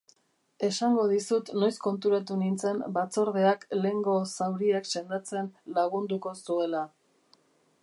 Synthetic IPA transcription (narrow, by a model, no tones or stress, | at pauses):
e̞saŋɡo̞ð̞isut̪no̞jsko̞nt̪̬uɾat̪̬unint͡se̞nbat͡so̞ɾðe̞akle̞ŋɡo̞sawɾiakse̞nd̪at͡se̞nlaɣ̞und̪uko̞sue̞la